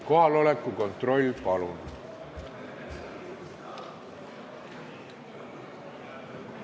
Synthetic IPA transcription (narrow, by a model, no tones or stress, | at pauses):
ko̞ɦɑlo̞lekːˑuko̞nt̪ro̞lʲːpɑlun